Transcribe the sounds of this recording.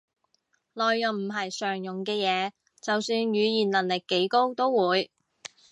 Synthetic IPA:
lɔː˨jːɐ˨˩m̩˨˩ɦɐ˨jsœː˨˩ŋjʊ˨˩ŋkɛː˧jɛː˨˧ | t͡sɐ˨wsyː˧njyː˨˧jiː˨˩nlɐ˨˩nlɪ˨kːe˨˥jko˥wt̪o˥wwuː˨˧j

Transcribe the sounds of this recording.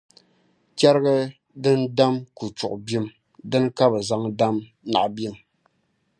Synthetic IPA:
t͡ʃɛ˦ɾɡa˦ | dɨ˦nda˦mku˨t͡ʃʊ˨ʔʊ˨bi˦m | dɨ˦n˦ka˦bɨ˨za˦ŋda˦m | na̰˨ʔbi˦˨m

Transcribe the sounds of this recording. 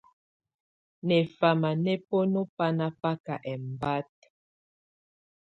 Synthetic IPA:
nɛ˨fa˨ma˨nɛ˦po˦no˦pa˦na˦pa˦ka˨ʔɛ˨m˨ba˦t̚

